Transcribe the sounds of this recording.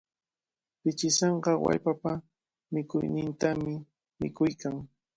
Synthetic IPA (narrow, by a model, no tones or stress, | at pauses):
pɪt͡ʃɪseɴɢɑwa̰ʎpapa | mɪkʊjnɪnt̪amɪ | mɪkʊjkaŋ